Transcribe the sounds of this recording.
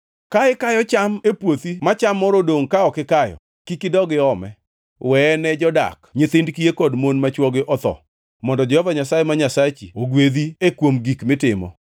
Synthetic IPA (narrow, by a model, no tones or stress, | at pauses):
kaɪkajɔt͡ʃamepwot̪imat͡ʃamːɔɾodoŋkaɔkɪkajɔ̰ | kikɪdɔɡɪɔmɛ̰ | wɛnɛd͡ʒɔda̰kɲɪt̪ɪndkijekɔdmonmat͡ʃwɔɡɪʔɔt̪ɔ̰ | mɔndɔd͡ʒɔhɔvaɲasajemaɲasat͡ʃioɡwed̪iekwomɡikmɪtɪmɔ̰